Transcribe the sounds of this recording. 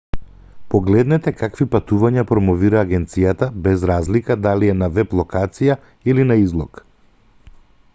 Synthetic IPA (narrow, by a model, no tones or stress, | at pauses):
pɔɡlɛd̪nɛt̪ɛkakvipat̪uvaɲapɾɔmɔviɾaːɡɛnt̪sijat̪abɛzɾazlikad̪aliɛnavɛplˠɔkat̪sija | ilinaizlˠɔk